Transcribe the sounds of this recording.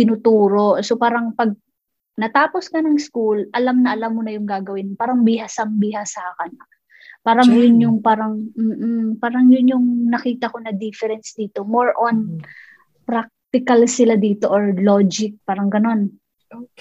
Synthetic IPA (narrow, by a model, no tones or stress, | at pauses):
t̪ɪnut̪uːɾo̞sopaːɾɐŋpɐɡ̚ | nɐt̪aːpo̞skɐnɐŋskulʔɐlamnɐʔɐlamːonɐjʊŋɡaːɡɐwɪnpaːɾɐŋbihasɐmbɪhasaːkɐn | paːɾɐŋjʊnjʊŋpaːɾɐŋm̩ːʔ̩paːɾɐŋjʊnjʊŋnɐkiːt̪ɐko̞nɐd̪ifɛɾɛnsd̪iːt̪o̞moɹʔon | pɾak̚t̪ɪkɐlsɪlad̪iːt̪o̞ʔoɹlod͡ʒɪk̚paːɾɐŋɡɐno̞n | o